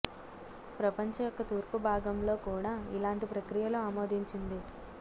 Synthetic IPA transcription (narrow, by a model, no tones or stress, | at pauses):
pɾɐpɐɲt͡ʃɐjɔkːɐt̪uːɾpubʱaːɡɐmlo̞ːkuːɽaːḭlaːɳʈipɾɐkɾijɐloːaːmo̞ːd̪ʱiɲt͡ʃind̪i